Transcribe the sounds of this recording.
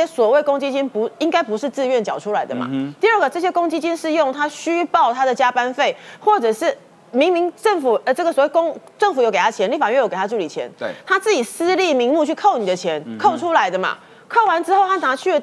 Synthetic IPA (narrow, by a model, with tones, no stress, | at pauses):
jɛ˥swɔ˨˩we˥˩ɪkʊ˥ŋt͡ɕi˥t͡ɕi˥npu˧˥i˥ŋka˥ɪpu˧˥ʂ̩˥˧t͡sɹ̩˥˧ɥɛ˥˩nt͡ɕjɑ˨˩ʊʈ͡ʂʰu˥la˧˥ɪd̪ə̰˨ma̰˩t̪i˥˧ə˥˩ɡə˩ʈ͡ʂɤ˥˩ɕ̬jɛ˥kʊ˥ŋt͡ɕi˥t͡ɕi˥nʂɻ̩˥˧jʊ˥˨˩ŋt̪ʰa˥ɕy˥pɑ˥˩ʊt̪ʰa˥d̪ə˨t͡ɕja˥pa˦nfe˥˩ɪxwɔ˥˩ʈ͡ʂɤ˨˩ʂɻ̩˥˩ | mi˧˥ŋmi˧˥ŋʈ͡ʂə˥˩ŋfu˨˩ə˧ʈ͡ʂə˥˩ɡə˩swɔ˨˩we˥˩ɪko˥ŋʈ͡ʂə˥˩ŋfu˨˩jo˧˦ke˨˩a˥t͡ɕʰjɛ˧˦nli˥˩fa˨˩ɥɛ˥˩jo˧˥ke˨˩a˥ʈ͡ʂu˥˩li˨˩t͡ɕʰjɛ̰˧˦nt̪ʰa˥t͡sɹ̩˥˩t͡ɕi˨˩sɹ̩˥li˥˩mi˧˥ŋmu˥˧t͡ɕʰy˥˩kʰo˥˩ʊni˨˩d̪ə˦t͡ɕʰjɛ˧˦nkʰo˥˩ʊʈ͡ʂʰu˥la˧˥ɪd̪ə˨ma̰˨ | kʰo˥˩ʊwa˧˦˥nʈ͡ʂɻ̩˥xo˥˧ʊt̪a˥˩na˨˩˥t͡ɕʰy˥˩